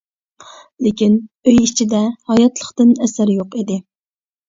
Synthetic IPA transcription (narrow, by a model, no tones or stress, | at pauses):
lɪkʲinøjit͡ʃʰid̪ɛhɑjɑt̪lˠəχt̪ɨnɛsæɾjoqid̪ɪ